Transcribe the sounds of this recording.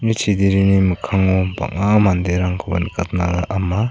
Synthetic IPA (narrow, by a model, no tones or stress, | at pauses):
nit͡ʃʰid̪iɾinimɯkʰaŋɔba̰ŋamand̪eɾaŋkʰɯbanikat̪naɡaʔama